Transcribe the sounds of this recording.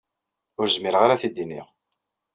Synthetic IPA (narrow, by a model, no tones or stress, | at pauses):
ʊɾzmiɾʁaɾaθid̪inḭʁ